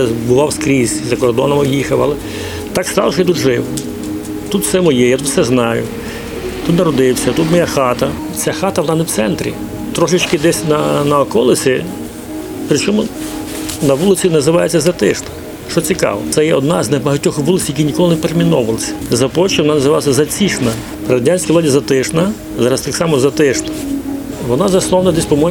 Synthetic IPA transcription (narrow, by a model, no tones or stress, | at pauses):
bʊʋɑwskɾʲisʲizɐkɔrd̪ɔnɔmɪjixɐwɐ̰lˠɛ | t̪ɑkst̪ɑ̰lʃɔjit̪ut̪ʒɪw | t̪ut̪sɛmɔjɛjat̪ut̪sɛznɑjʊ̰ | t̪ut̪nɐɾɔd̪ɪwsʲɐt̪ut̪mɔjaxɑt̪ɐ | t͡sʲaxɑt̪ɐʋɔnɑnɛwt̪sɛnt̪ɾʲḭ | t̪ɾɔʃɪt͡ʃkɪd̪ɛsʲnɐnɐɔkɔlˠɪsʲi | pɾɪt͡ʃɔmʊ | nɐʋulˠɪt͡sʲinɐzɪʋɑjet͡sʲːɐzɐt̪ɪʃnɐ̥ | ʃt͡ʃɔt͡sʲikɑ̰ʋɔ̰sɛjɛɔd̪nɑznɛbɐɦɐtʲːɔxʋulˠɪsʲjɐkʲinʲikɔlˠɪneɛpeɾemʲinɔʋɐlˠɐsʲɐ̥zɐpɔt͡ʃɔʋɔnɑnɐzɪʋɑlˠɐsʲɐzɐt͡sʲiʂnɐ | pɾɐɾɐdʲanʲsʲkiʋlˠadʲizɐt̪ɪʃnɐ | zɑɾɐst̪ɑksɑmɔzɐt̪ɪʃnɐ | ʋɔnɑzɐslˠɔwnɐd̪ɛsʲpɔmɔ